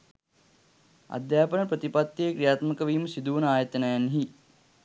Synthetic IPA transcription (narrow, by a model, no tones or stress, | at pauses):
a̰d̪jaːpənəpɾət̪ipat̪ːjeːkɾijaːt̪məkəʋiːməsid̪uʋunəaːjət̪ənɐjanɦi